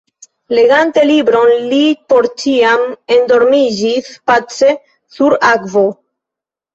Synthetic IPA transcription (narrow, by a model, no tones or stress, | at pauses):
le̞ɡante̞libɾo̞nlipo̞ɾt͡ʃiame̞ndo̞ɾmid͡ʒispat͡se̞ | suɾakvo̞